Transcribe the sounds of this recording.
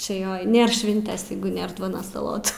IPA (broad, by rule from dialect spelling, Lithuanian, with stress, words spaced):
t͡ʃʲɛ ˈjoː ˈnʲeːr ˈʃʲʋʲɪnʲtʲeːs ˈjɛɪɡʊ ˈnʲeːr ˈduɔnoːs sɐˈlˠoːtuː